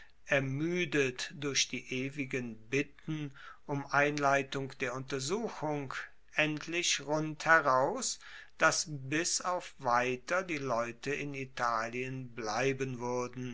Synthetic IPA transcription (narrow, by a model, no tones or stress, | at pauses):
ʔɛɐmyːdətd̥ʊɐçd̥iːʔeːvɪɡənbɪtn̩ʔʊmʔaɪnlaɪtʊŋd̥eːɐʊntɐzuːxʊŋ | ʔɛntʰlɪʃʁʊnthɛʁaʊsd̥asbɪsaʊfv̥aɪtɐdiːlɔʏtəɪnitʰaːliənblaɪbənvʏɐdn̩